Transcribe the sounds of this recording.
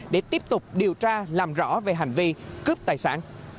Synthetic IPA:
ɗe˧˩t̪i˦˥əp̚t̪ʊ˨˩k͡p̚ɗi˨˩əwt͡ɕaː˧laː˨˩mzɔ̰˧˥ve˨˩ɦa˨˩jŋ̟vi˧kɨ˦˥p̚t̪aː˨˩jsa̰ː˧˥n

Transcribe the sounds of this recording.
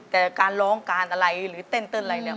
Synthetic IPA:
t̪ɛː˨˩kaː˧nɾɔː˨˧˥ŋkaː˧nʔa˧ɾa˧jɾɯː˩˦t̪e˥˩nt̪ɤː˧˥˩na˧a˧jnɯ˥˩

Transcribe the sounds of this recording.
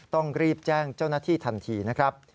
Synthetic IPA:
t̪ɔ˥˩ŋɾiː˥˩p̚t͡ɕɛː˥˩ŋt͡ɕa˥˩wnaː˥˩t̪ʰiː˥˩t̪ʰa˧nt̪ʰiː˧na˦˥kʰɾa˦˥p̚

